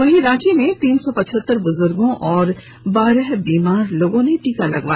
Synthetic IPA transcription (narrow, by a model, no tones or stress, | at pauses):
ʋɐɦiɾãːt͡ʃimẽt̪iːnsɔpɐʃʰət̪ːəɾbʊzʊɾɡõʔɔːɾ | baːɾəɦbiːmaːɾloːɡõneʈiːkalɐ̰ɡʋaːj